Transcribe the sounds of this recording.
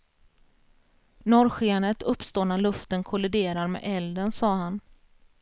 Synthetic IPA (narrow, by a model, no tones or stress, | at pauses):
nɔɾɧɪanət̪ɵpːst̪oːnalɵft̪ənkʰʊlɪd̪eːɾaɾmḛːɛld̪ənsɑːɦan